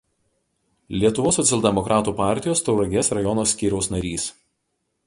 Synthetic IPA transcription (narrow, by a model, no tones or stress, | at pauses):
lʲiɛt̪ʊʋoːsːɔt̪ʲɛlˠʲd̪ʲɛmɔkɾʔɑːt̪uːpɑˑɾʲt̪ʲɪjoːst̪ɔʊɾɐɡʲɛsɾɐjɔnoːsʲkʲiːɾʲɛʊsnɐɾʲiːs